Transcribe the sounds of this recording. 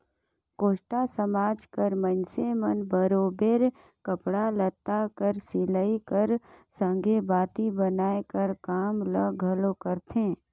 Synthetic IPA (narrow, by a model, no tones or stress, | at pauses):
koːʃʈasəmaːd͡ʒkəɾmənsemənbəɾoːbeːɾ | kəpɽalət̪ːakəɾsɪləikəɾsə̃ŋɡʱebaːt̪ibənaːekəɾkaːmləɡʱəlokəɾt̪ʰẽː